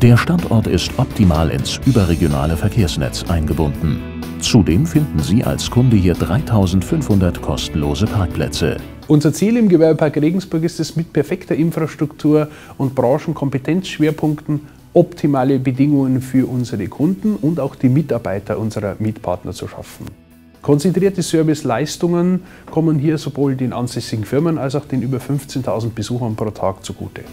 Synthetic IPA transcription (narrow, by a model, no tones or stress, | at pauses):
d̥eːɐʃtantʔɔ̰ɐtɪ̰stʔɔp̚tʰimaːlʔɪ̰nsʔyːbɐʁeɡjona̰ːləfɛɐkʰeːɐsnɛ̰t͡sʔaɪnɡəbʊndn̩ | t͡sudeːmfɪndn̩ziːʔa̰lskʰʊndəhiːɐdʁaɪtʰaʊzn̩tfʏnfhʊndɐtkʰɔ̰stn̩loːzəpʰaɐk̚pʰlɛ̰t͡sə̰ | ʔʊnzɐt͡siːlɪmɡəvɛɐbəpʰaɐkʁeːɡŋ̩sb̥ʊɐkɪstɛsmɪt̚pʰɛɐfɛktɐʔɪnfʁ̥aʃtʁ̥ʊktʰuːɐ | ʔʊntb̥ʁãːʃn̩kʰɔmpətʰɛnt͡sʃv̥eːɐpʰʊŋktn̩ | ʔɔptʰimaːləbədɪŋʊŋənfyːɐʔʊnzəʁəkʰʊndn̩ʊntaʊxd̥iːmɪtaɐba̰ɪtʰɐʔʊnzəʁɐmiːtpʰa̰ɐtnɐ̰t͡suʃa̰fn̩ | kʰɔnt͡sɛntʁ̥iːɐtəsœɐvɪslaɪstʊŋən | kʰɔmənɦiːɐzovoːldeːnʔa̰nzɛsɪɡŋ̩fɪɐmənalsaʊxd̥eːnʔyːbɐfʏnft͡seːntʰaʊzn̩t̚b̥əzuːxɐnpʁ̥oːtʰa̰ːk̚t͡suɡ̥ṵːtʰə